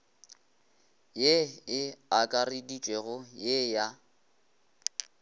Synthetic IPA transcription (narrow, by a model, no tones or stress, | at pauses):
jeɪakʼaridit͡ʃʼwɛɣʊjeja